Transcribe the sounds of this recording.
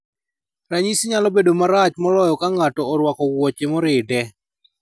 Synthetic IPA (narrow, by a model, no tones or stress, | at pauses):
ɾaɲisɲalɔbedomaɾat͡ʃmɔlɔjɔkaŋatɔɔɾwakɔwɔt͡ʃɪmɔɾɪdɛ